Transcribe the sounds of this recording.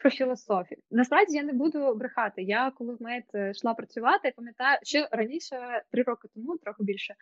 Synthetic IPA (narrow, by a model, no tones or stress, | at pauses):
pɾɔfʲilˠɐsɔfʲinɐspɾawdʲɪjanɛbud̪ʊbɾɪxɑt̪ɪjakɔlˠɪzmɛjt̪ʃlˠɑpɾɐt͡sʲʊʋɑt̪ɪipɐmʲjɐt̪ɑjʊʃɔɾɐnʲiʃɛt̪ɾɪɾɔkɪt̪ɔmut̪ɾɔxʊbʲilʲʃɛ